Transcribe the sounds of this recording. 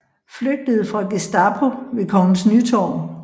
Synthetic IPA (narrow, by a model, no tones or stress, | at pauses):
fløɡ̥̚d̥əð̞̩ˠfʁɑ̈ɡ̥esd̥ɑ̈pʰo̝ʋe̝kʰɒŋnnsnyt͡sʰɒ̰ːm